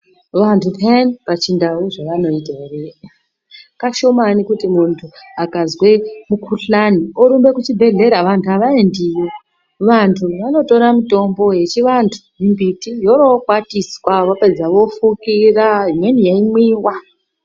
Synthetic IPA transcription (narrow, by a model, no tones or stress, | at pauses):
ʋantʰupʰenipat͡ʃindauʐaʋano̞itaereja | kaʃomanikutimuntʰuakazwe̞mukuɬanioɾumbe̞kut͡ʃibʱe̞ɮe̞ɾaʋantʰuaʋaendijo | ʋantʰuʋano̞to̞ɾamuto̞mbo̞je̞t͡ʃiʋantʰu̥ɦimbitijo̞ɾokwatiswaʋope̞d͡zaʋo̞fukiraɦimwe̞nijeimwiːwa